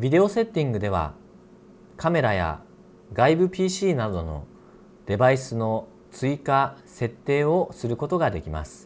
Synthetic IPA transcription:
bʲid̪e̞o̞se̞t̪ːĩŋɡɯ̟d̪e̞β̞a̰ | kame̞ɾaja̰ | ɡaibɯ̟pʲiːɕiːnad̪o̞no̞̰ | d̪̥e̞baisɨno̞ | t͡sɨikase̞t̪ːe̞ːo̞sɨɾɯ̟ko̞t̪o̞ɡad̪e̞kʲima̰sɨ̥

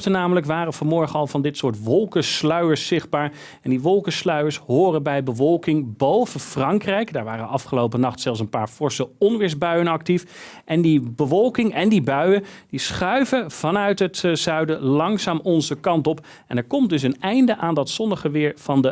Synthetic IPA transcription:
tənaːmələkʋaːrənvɑnmɔɹχənɑlˠvɑndɪtsʊːɹtʋɔlˠkəslœɥəɹsːɪχd̚baːɹ | ɛndiʋɔlˠkəslœɥəɹsɦʊːrənbɛjbəvɔlˠkɪŋbowvəfrɑŋkrɛjkdaːɹʋaːɾənɑfχəlowpənɑχtsɛlˠfs̬ənpaːɹfɔɹsəɔnʋɪːɹzbœɥənɑk̚tif | ʔɛndibəʋɔlˠkɪŋɛndibœɥəndisχœɥvəv̥ɑnœɥtɦətz̥œɥdəlɑŋsaːmɔnzəkɑntɔp | ɛnɛɹkɔmt̚dɵs̬ənɛjndəʔaːndɑtsɔnəχəʋɪːɹv̥ɑndə

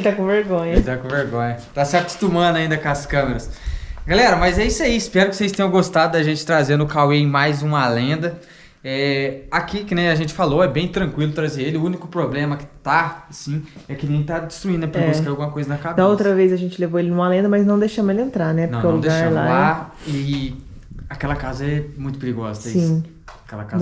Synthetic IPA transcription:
elɪt̪akõveɾɡõɲɐelɪt̪akõveɾɡõ̰ɲɐt̪asɪaku̥st̪umɐ̃nd̪ʊaĩnd̪ɐkaskɐ̃meɾɐsɡalɛɾɐmɐzɛisɐiːspɛɾʊkɪsejst̪ẽj̃ɐ̃ɡost̪ad̪ʊd̪aʒẽnt͡ʃɪ̥t̪ɾazeɾnʊkaweẽj̃majzũmɐlẽnd̪ɐ | ɛakikɪnɛaʒẽnt͡ʃɪ̥faloɛbẽj̃t̪ɾɐ̃ŋkwilʊt̪ɾazeɾelɪʊunikʊpɾoblẽmɐkɪ̥t̪aasĩɛkɪnĩɡẽj̃t̪ad͡ʒi̥st̪ɾuĩd̪ʊɐpeɾiaɛawɡũmɐkojzɐnɐkabd̪ɐ̃owt̪ɾɐvejzɐʒẽnt͡ʃɪlevoelɪnũmɐalẽnd̪ɐmɐznɐ̃w̃d̪ejʃɐ̃melɪẽnt̪ɾanɛp̪ɐ̃wnkɛ̃lũd̪ɡʃaɾɐ̃lala | ɪ | akɛlɐkazɐɛmũj̃t̪ʊpɪɾiɡɔ̰zɐaisĩ | akɛ̰lɐ̰ka

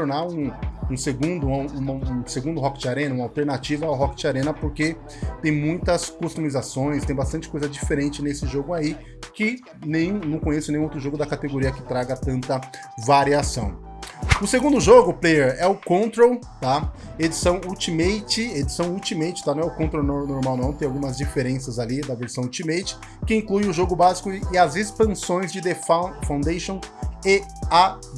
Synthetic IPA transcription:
oɾnaɾũũseɡũnd̪ʊ̃ũmɐ̃seɡũnd̪ʊɦɔkɪ̥t͡ʃɪaɾẽnɐũmɐawt̪eɾnat͡ʃivɐawɦɔkɪ̥t͡ʃaɾẽnɐpoɾke | t̪ẽj̃mũj̃t̪ɐskost̪umizasõj̃st̪ẽj̃bast̪ɐ̃nt͡ʃɪ̥kojzɐd͡ʒifeɾẽnt͡ʃɪnesɪʒoɡʊai | kɪ | nẽj̃nɐ̃w̃kõɲesʊnẽj̃owt̪ɾʊʒoɡʊd̪ɐkat̪eɡoɾiɐkɪ̥t̪ɾaɡɐt̪ɐ̃nt̪ɐ | vaɾiasɐ̃w̃ | ʊseɡũnd̪ʊʒoɡʊːplejɛɾɛʊkõnt̪ɾow | t̪a | ed͡ʒisɐ̃w̃ut͡ʃimejt͡ʃɪed͡ʒisɐ̃w̃ut͡ʃimejt͡ʃɪ̥t̪anɐ̃w̃ɛʊkõt̪ɾownonoɾmawnɐ̃t̪ẽj̃awɡũmɐzd͡ʒifeɾẽsɐzalid̪ɐveɾsɐ̃w̃ut͡ʃimejt͡ʃɪ̥ | kɪĩklujʊʒoɡʊbazi̥kʊɪɐzespɐ̃sõj̃zd͡ʒɪd̪efafãw̪̃d̪ejʃõw̃ea

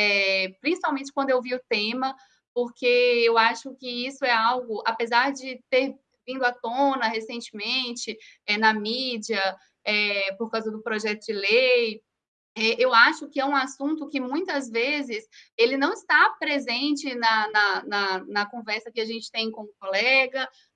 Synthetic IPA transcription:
ɛpɾĩsi̥pawmẽnt͡ʃɪkwɐ̃nd̪ʊewviʊt̪ẽmɐ | poɾkeewaʃʊkɪisʊɛawɡʊʔapezaɾd͡ʒɪt̪eɾ | vĩnd̪ʊat̪õnɐhesẽnt͡ʃɪmẽt͡ʃɪɛnɐmid͡ʒiɐ | ɛpoɾkawzɐd̪ʊpɾɔʒɛt̪ʊd͡ʒɪlej | ɛʔewaʃʊkɪɛũasũnt̪ʊkɪmũj̃t̪ɐzvezɪselɪnɐ̃w̃ɪst̪apɾezẽnt͡ʃɪnɐnɐnɐnɐkõvɛɾsɐkɪaʒẽnt͡ʃɪ̥t̪ẽj̃kõʊ̃kolɛɡɐ

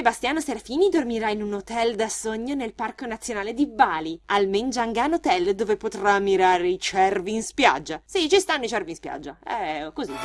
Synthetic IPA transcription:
sebast̪jaːnoseɾafiːnid̪ormiɾainunot̪ɛld̪asoɲːonelparkonat̪sːjonaːled̪ibaːlialmend͡ʒaŋɡaːnot̪ɛld̪oːvepot̪ɾamːiɾaːɾeit͡ʃɛrviːnspja̰d͡ʒːasit͡ʃist̪anːoit͡ʃɛrvinspja̰d͡ʒːa̰ɛ̰kozi

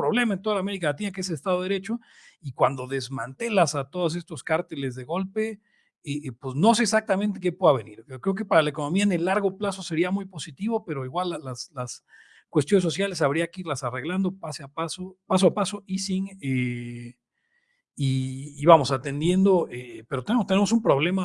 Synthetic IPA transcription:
pɾo̞βle̞maent̪o̞ðalame̞ɾikalat̪̬inakeeseest̪aðoeɾe̞t͡ʃo̞ | ikwand̪o̞ðe̞zmãnt̪e̞lasat̪o̞ðos̬e̞st̪o̞skaɾt̪elezðe̞ɣo̞lpe̞ | epwesno̞s̬e̞ːsak̚t̪ament̪̬ek̬e̞pweðaβe̞niɾkɾe̞ok̬epaɾalaeko̞no̞miaene̞lːaɾɣo̞plaso̞se̞ɾiamujpo̞sit̪iβo̞pe̞ɾo̞iɣwalːalaslas | kwe̞st̪jo̞nes̬o̞sjalesaβɾiakeiɾlasare̞ɣland̪o̞paseapasopas̬oapaso̞ʔisiŋe | iːβamo̞sat̪e̞nd̪je̞nd̪o̞epeɾot̪nemot̪ene̞mosumpɾo̞βle̞ma

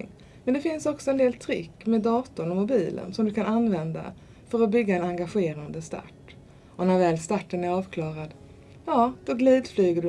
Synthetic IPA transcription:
ŋ | mɛnd̪ɛfɪnsɔksɔɛnd̪eːlt̪ʰɾɪ̰kːmeːd̪ːɑːt̪ʊɳɔmʊbiːlə̰nsɔmd̪ɵkʰananvɛnd̪a̰ | fœɾɔbʏɡːaɛnaŋɡaɧeːɾand̪əst̪a̰ʈː | ʔɔnæɾvɛːlst̪aʈːənæɾɑːvkʰlɑːɾad̪ | jɑːd̪̥ɔɡliːd̪flyːɡəɖ

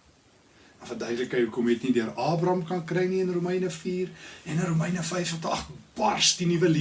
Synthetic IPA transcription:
ɐfəndœɥdələkəjəkɔmɛtnidøəɾɑːbrɐmkɐnkrɛjniənrumɛjnəfiːrɛnəɾumɛjnəfɛjfsɔtəɐχt̚bɐrsdinivəli

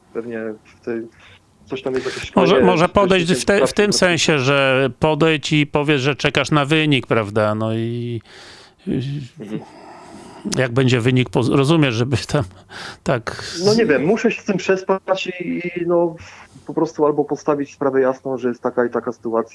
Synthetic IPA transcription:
pɛvɲɛft̪ɛj̪ | sɔɕt̪amjɛst̪jakɔkmɔʐɛmɔʐɛpɔdd̪ɛjɕft̪ɛft̪ɘmsɛ̃ñɕɛʐɛpɔd̪ɛjt͡ɕipɔvʲjɛʐɛt͡ʂɛkaʂnavɘɲik̚pɾavd̪anɔi | jaɡ̚bɛɲd͡ʑɛvɘɲik̚pɔɾɔzumʲjɛʐʐɛbɘt̪ʰamt̪aknɔɲɛvʲjɛmːuʂɛɕɛ̥st̪ɘmpʂɛspat͡ɕinɔpɔpɾɔst̪ualbɔpɔst̪avʲit͡ɕspɾavɛjasnɔ̃w̃ʐɛjɛst̪ːakait̪akasɨ̥t̪uat̪sʲja

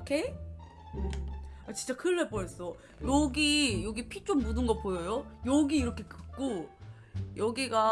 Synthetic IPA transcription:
okʰe | at͡ɕi̥nt͡ɕ͈akɯɭːebojʌs͈ʌ | jʌɡijʌɡipʰit͡ɕ͈ommudɯnɡʌpojʌjojʌɡiːɾʌkʰe̞kɯk̚k͈o | jʔʌɡiɡa

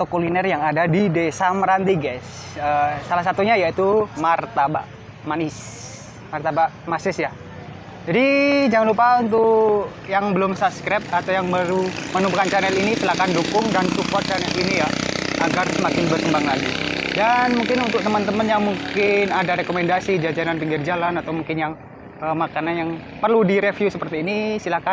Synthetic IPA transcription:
at̪okolinɛrjaŋadadidesamɾant̪iɡas | əsalahs̬at̪uɲajait̪umart̪aba̰ʔ | manɪs | mart̪abaʔmasɪsja | d͡ʒadid͡ʒaŋanlupaunt̪̬ʊʔjaŋbəlʊmsaskɾɛp̚t̪at̪awjaŋbaɾumənubukant͡ʃanɛlinisilakandukʊŋdansufɔr̚t͡ʃanɛlinijaʔaɡarsəmakɪnbərkəmbaŋlaɡidanmuŋkɪnunt̪ʊk̚t̪əmant̪əmənjaŋmuŋkɪnadaɾekomendasid͡ʒad͡ʒananpiŋɡɪrd͡ʒalanat̪awmuŋkɪnjaŋ | əmakananjaŋ | pərludiɾefjusəpərt̪iːnisilahkan

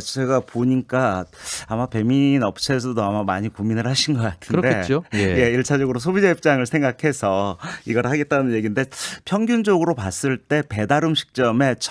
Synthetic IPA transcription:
t͡ɕe̞ɡapoɲik͈aamape̞minʌp̚t͡ɕʰe̞s̬ʰʌdoamamaɲikominɯɭhaɕʰinɡʌk͈atʰɯnde̞t͡ɕoje̞iɭt͡ɕʰad͡ʑʌɡɯɾosʰobid͡ʑeip̚t͡ɕ͈aŋɯɭsʰe̞ŋɡakʰe̞sʰʌiɡʌɾhaɡe̞t̚t͈anɯnje̞ɡinde̞pʰjʌŋɡjund͡ʑʌɡɯɾopas͈ɯɭt͈e̞pe̞daɾɯmɕʰi̥k̚t͡ɕ͈ʌme̞t͡ɕʰ

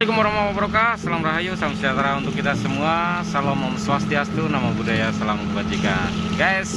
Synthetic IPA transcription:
ikumɔɾamamabɾokasalamraɦajusalamsiat̪ɾaunt̪ʊkːit̪asəmuasalɔmamswast̪iast̪unamabudajasalamkəbad͡ʒ̪ika | ɡajs

